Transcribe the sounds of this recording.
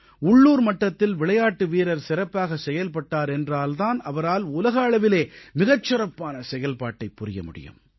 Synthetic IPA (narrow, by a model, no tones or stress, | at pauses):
ʊɭːuːɾmɐʈːɐt̪ːɪlʋɪɭɐjaːʈːɯʋiːɾɐɾsɪɾɐpːaːɣɐsɛjɐlpɐʈːaːɾɛndraːlt̪aːnɐʋɐɾaːlʊlɐɣɐɐɭɐʋɪleːmɪɣɐt͡ʃːɪɾɐpːaːnɐsɛjɐlpaːʈːɐɪpːʊɾɪjɐ̰mʊ̰ɽɪ̰jɯ̰m